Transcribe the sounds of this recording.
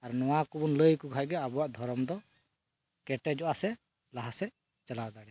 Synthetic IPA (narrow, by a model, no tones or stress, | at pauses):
aɾnɔwakubunləjkukʰajɡɛabuwaʔd̪ʱɔɾɔmd̪ɔ | kɛʈɛd͡ʒɔʔasɛ | laɦasɛ | t͡ʃalawd̪aɽɛ